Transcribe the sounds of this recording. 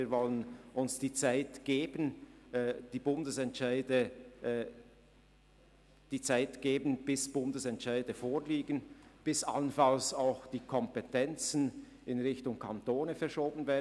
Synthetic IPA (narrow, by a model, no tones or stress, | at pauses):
iːɐvɔlənʔʊnsd̥iːt͡saɪtɡ̥eːbən | d̥iːbʊndəsɛntʃaɪdə | d̥iːt͡saɪtɡ̥eːbən̩b̥ɪsb̥ʊndəsɛntʃaɪdəfoːliːɡənb̥ɪsa̰lənfalsaʊxd̥iːkʰɔmpɛtʰɛnt͡sn̩ | ɪnʁɪçtʊŋkʰantoːnəfɛɐʃoːbənvɛːɐ